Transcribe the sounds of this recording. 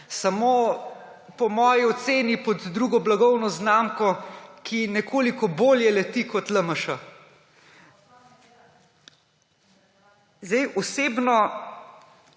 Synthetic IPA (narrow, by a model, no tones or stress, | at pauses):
samo | pɔmɔːjiɔt̪seːnipɔd̪d̪ɾuːɡɔblaɡɔwnɔznaːmkɔkʰinɛkʰoːlikɔboːljɛlɛt̪ikɔt̪ləməʃa | zd̪ɛjʔɔseːbnɔ